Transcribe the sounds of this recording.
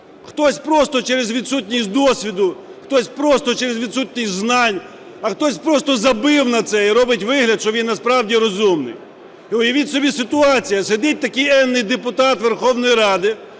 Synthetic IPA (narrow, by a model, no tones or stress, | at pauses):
xt̪ɔsʲpɾɔst̪ɔt͡ʃɛɾezʋʲid̪sut̪ʲnʲisʲtʲd̪ɔsʲʋʲid̪ʊ | xt̪ɔsʲpɾɔst̪ɔt͡ʃɛɾezʋʲid̪sut̪ʲnʲisʲtʲznɑnʲ | ɐxt̪ɔsʲpɾɔst̪ɔzɐbɪwnɐt̪sɛiɾɔbɪtʲʋɪɦlʲɐd̪ʃt͡ʃɔʋʲinːɐspɾɑwdʲiɾɔzumnɪ̰j | iʊjɐʋʲitʲsɔbʲisɪt̪ʊɑt͡sʲijɐsed̪ʲit̚ʲt̪ɐkɪjɛnːɪjd̪epʊt̪ɑt̪ʋerxɔwnɔjiɾɑd̪ɪ